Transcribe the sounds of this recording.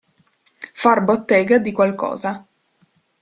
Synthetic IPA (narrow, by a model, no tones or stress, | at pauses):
farbot̪ːɛːɡad̪ikwalkɔ̰ːza